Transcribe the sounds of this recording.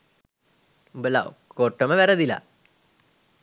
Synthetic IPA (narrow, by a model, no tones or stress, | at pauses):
ubəla̰okoʈːəməʋæɾəd̪ila̰